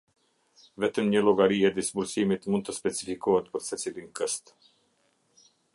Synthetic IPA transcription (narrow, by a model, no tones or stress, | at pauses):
vɛt̪əmɲəlɔɡaɾiɛd̪isbulsimit̪mund̪t̪ːəspɛt͡sifikɔɦət̪pəɾsɛt͡silinkəst̪